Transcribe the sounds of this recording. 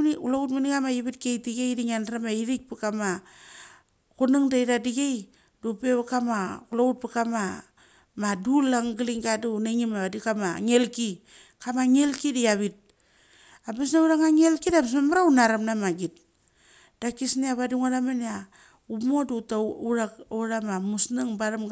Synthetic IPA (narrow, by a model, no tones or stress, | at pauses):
ulautminikamajaβit̚kejtiɡejdiŋandɾamaiɾik̚pikama | kunɨŋdajdadiɡej | dupeβakamakulaut̚pikama | madulaŋɡiliŋɡaduneŋimaβadikamaŋelki | kamaŋelkidiaβit̚ | abes̬nauɾaŋaŋelkidams̬mamaɾaunaɾamnamaɡit̚ | d̥akisniaβadiŋaɾamania | umodutauɾakuɾamamusnaŋbaɾam